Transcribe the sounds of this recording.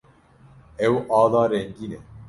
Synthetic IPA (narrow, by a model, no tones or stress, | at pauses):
ɛwʔɑːd̪ɑːɾɛŋɡiːnɛ